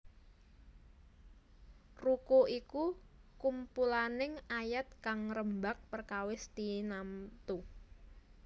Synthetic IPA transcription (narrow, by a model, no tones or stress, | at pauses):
rukuʔiku | kumpulanɪŋajat̪̚kaŋrəmbak̚pərkawɪst̪inamt̪u